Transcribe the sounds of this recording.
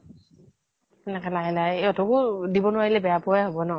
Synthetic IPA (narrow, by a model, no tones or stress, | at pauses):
ɛnɛkɛlaɡɛlajeɔtɔkʊdibɔnʊwaɹilɛbɛjapɔaɦɔbɔnɔ